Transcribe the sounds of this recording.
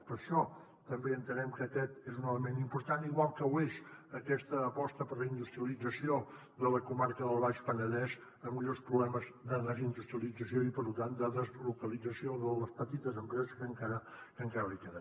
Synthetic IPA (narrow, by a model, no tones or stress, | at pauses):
pəɾʃɔ | t̪əmbeənt̪ənɛmkəkɛt̪ezunələmenimpuɾt̪aniɣwalˠkəwezəkɛst̪əːpɔst̪əpəɾləind̪ust̪ɾiəlid͡zəsio | ðələkumaɾkəðəlˠβaʃpənəðɛz | əmːiʎospɾuβlɛməzd̪əðəzind̪ust̪ɾiəlid͡zəsioipəɾlut̪and̪əðəzlukəlid͡zəsioðələspət̪it̪əzəmpɾɛzəskəŋkaɾəkəŋkaɾəlikeðə